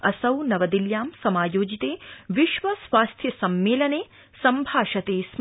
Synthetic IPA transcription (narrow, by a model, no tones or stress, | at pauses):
ɐsɐwnɐʋɐd̪iljaːmsɐmaːjoːd͡ʒit̪eːʋiʃʋɐsʋaːst̪ʰjɐsɐmːeːlɐneː | sɐmbʱaːʃɐt̪eːsm